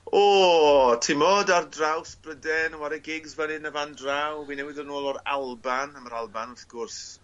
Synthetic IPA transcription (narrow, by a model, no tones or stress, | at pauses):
oːtʰɪmɔdardrawsbrədɛnəwaɾɛɡɪɡzvɛnɪnəvandrawwinɛwɪðənoːlˠɔɾa̰lˠbanaməɾalˠbanʊθɡ̥ʊrs